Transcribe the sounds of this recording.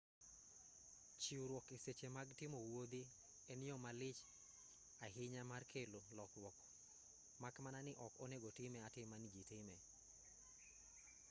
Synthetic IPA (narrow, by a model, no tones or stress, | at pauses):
t͡ʃiuɾwɔkeset͡ʃemaɡtɪmɔwod̪i | ɛnɪjɔmalɪt͡ʃ | aɦɪɲamarkʰelolɔkwɔk | makmananɪʔɔkɔneɡɔtɪmɛatɪmand͡ʒitɪmɛ